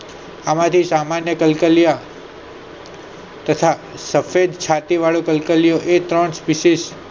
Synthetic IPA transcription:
amãt̪ʰisamanjəkəlkəlija | t̪ət̪ʰasəfed̪t͡ʃʰat̪iʋaɭokəlkəlijoʔet̪ɾəɳspiʃis

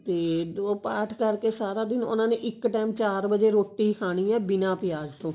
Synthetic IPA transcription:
t̪eːoːpaːʈʰkəɾkeːsaːɾaːd̪ɪnʊ̰nãːneʔɪkʈaːmt͡ʃaːɾbəd͡ʒeːɾoːʈːiːkʰaːɽ̃iːɛːbɪnãːpɪjaːd͡ʒt̪õː

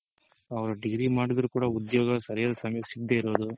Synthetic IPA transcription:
ɐʋɐɾuɖiɡɾimaːɽid̪ɐɾukuːɽɐud̪joːɡɐsɐɾijaːd̪ɐsɐmjɐsiɡd̪eːiɾo̞ːd̪u

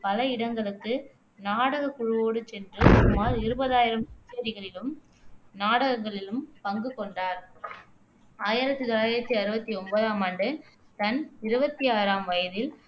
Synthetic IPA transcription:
pɐlɐɪɽɐŋɡɐɭɯkːɯ | naːɽɐɣɐkʊɻʊʋoːɽɯt͡ʃɛndrɯsɐmːaːlɪɾɯbɐðaːjɪɾɐmɪt͡ʃːɪɐɾɪɣɐɭɪlɯm | naːɽɐɣɐŋɡɐɭɪlɯmpɐŋɡɯkɔɳɖaːɾ | aːjɪɾɐt̪ːɯt̪olaːjɪɾɐt̪ːiɐɾɯbɐt̪ːiɔmbɐðaːmaːɳɖɯ | t̪ɐnɪɾɯbɐt̪ːiaːɾaːmʋɐjɐðɪl

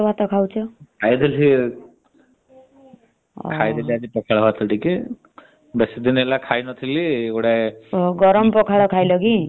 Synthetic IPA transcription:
bʱat̪ɔkʰawt͡ʃʰɔkʰajd̪ʱili | kʰajd̪eliad͡ʒipɔkʰaɽɔbat̪ʰɔʈike | besid̪inelakʰajnɔt̪ʰiliːɡɔɽaeɡɔɾɔmpɔkʰaɽɔkʰajlɔɡi

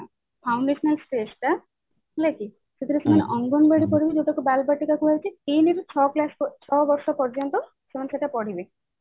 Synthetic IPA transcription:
pʰawɳɖesɔnalsʈesʈa | lajki | set̪ʰiɾasɔmaneʔɔŋɡɔnbaɽipɔɽibid͡ʒeʈakubalbaʈikakuaɾit͡ʃʰipiniɾut͡ʃʰɔklast͡ʃʰɔbɔɾsɔpɔɾd͡ʒɔnt̪ɔ | semaneseʈapɔɽibi

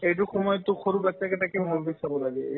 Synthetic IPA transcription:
ejt̬ʊxɔmɔjɔtːʊxoɹubatːakɛtakɛbʱalbisabɔlaɡɛ

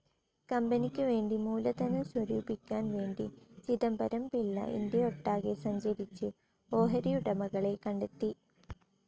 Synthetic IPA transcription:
kɐmbɐnikʲːɨʋe̞ːɳɖimuːlɐt̪ɐnɐswɐɾuːbikʲːaːnʋe̞ːɳɖit͡ɕiðɐmbɐɾɐmpilːɐ̰ʔḭnd̪jɐoʈːaːɣesɐɲd͡ʑɐɾit͡ɕːɨ | oːɦɐɾijuɽɐmɐɣɐɭe̞kɐɳɖet̪ːi

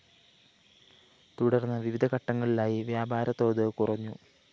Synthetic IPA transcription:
t̪uɽɐrnːɐʋiʋid̪ʱɐkɐʈːɐŋːɐɭilaːjiʋjaːbaːɾɐt̪ːo̞ːðɨkurɐɲːu

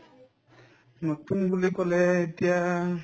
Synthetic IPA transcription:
notunbulikɔlɛetija

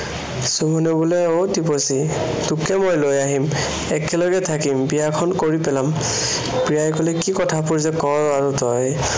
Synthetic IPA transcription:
subɔnobulɛowtiposi | tukɛmojlojaɦim | ɛkɛlɔɡɛtʰakimbijakʰɔnkoɹipɛlam | pɹijajkɔlɛkikɔtʰapuɹzɛkɔɹaɹutɔj

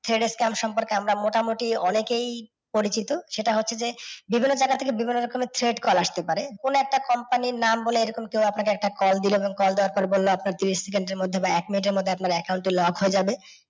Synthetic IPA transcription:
t̪ʰɾeɖeskɛmpʃɔmpoɾkeamɾamoʈamoʈiɔnekej | poɾit͡ɕit̪oʃeʈaɦotːʰed͡ʑebibʱinːod͡ʑaɡat̪ʰekebibʱinːoɾɔkomet̪ʰɾeɖkɔlaʃt̪epaɾekonoɛk̚ʈakɔmpaniɾnamboleejɾɔkomkewapnakeɛk̚ʈakɔld̪iloeboŋkɔld̪ewaɾpɔɾbolːoapnaɾt̪iɾiʃsekeɳɖeɾmod̪ʱːebaɛkminiʈ̬eɾmod̪ʱːeapnaɾɛkawɳʈilɔɡɦoed͡ʑabe

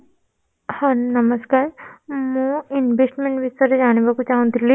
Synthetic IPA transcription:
hãnnəməskaːɾmuinʋesʈmẽɳʈʋist̪əɾed͡ʑaɽ̃ibakut͡ɕãũnd̪ili

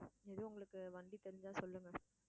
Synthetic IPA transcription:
ɛðɯʊŋɡɐɭɯkːɯʋɐɳɖit̪ɛɾɪɲd͡ʒaːsɔlːɯŋɡɐ

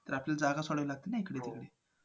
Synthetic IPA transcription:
t̪əɾaplald͡zaɡasoɽəʋlaɡ̚t̪enaekəɽet̪ikəɽe

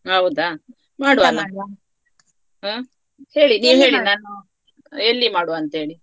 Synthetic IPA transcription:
ɐʋud̪aː | maːɽuʋaːna | aː | he̞ːɭiniːʋɦe̞ːɭinaːnu | elːimaːɽuɐnt̪ɐɦeːɭi

